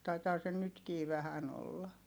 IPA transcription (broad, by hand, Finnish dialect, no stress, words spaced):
tɑitɑː se nytkiː ʋæhæn olːɑ